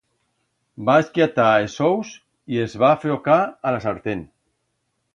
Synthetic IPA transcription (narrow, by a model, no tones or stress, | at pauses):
baeskjat̪aesows | iezβafeɾokaalasaɾt̪en